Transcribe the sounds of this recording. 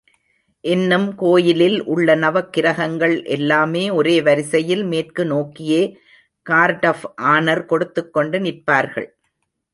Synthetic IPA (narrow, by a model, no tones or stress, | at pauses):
ʔɪnːɯmkoːjɪlɪlʔʊɭːɐnɐʋɐkːɪɾɐɣɐŋɡɐɭʔɛ̰lːaːmeːɔɾeːʋɐɾɪsɐjɪlmeːrkɯnoːkːɪjeː | kaːɾʈɐfʔaːnɐɾkɔɽɯt̪ːɯkːɔɳɖɯnɪrpaːɾɣɐ̰ɭ